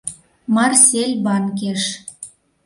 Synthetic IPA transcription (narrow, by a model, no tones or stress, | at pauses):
mɑrsʲelʲbɑnk̬eʃ